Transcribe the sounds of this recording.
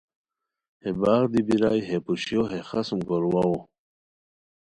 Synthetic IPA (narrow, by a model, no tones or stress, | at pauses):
hebaːɣd̪ibiɾaːjɦepuɕjoɦexasmɡoɾwawo